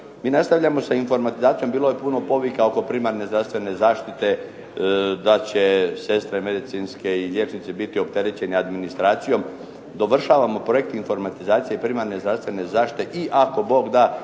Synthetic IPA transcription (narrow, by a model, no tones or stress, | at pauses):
miːnast̪aʋʎamo̞sainfo̞ɾmat̪izaːt̪sijo̞mbiːlo̞je̞puno̞po̞ʋikao̞ko̞pɾimaɾnezd̪ɾaʋst̪ʋe̞ne̞zaːʃt̪it̪e̞ | d̪at͡ɕese̞st̪ɾeme̞d̪it̪sinske̞ilʲjet͡ʃnit̪sibit̪io̞pt̪e̞ɾet͡ɕe̞nead̪minist̪ɾaːt̪sijo̞m | d̪o̞ʋr̩ʃaːʋamo̞pɾo̞jekt̪info̞ɾmat̪izaːt̪sijeipɾimaɾne̞zd̪ɾafst̪ʋe̞ne̞zaːʃt̪i̥t̪eʔiʔako̞bo̞ɡd̪aː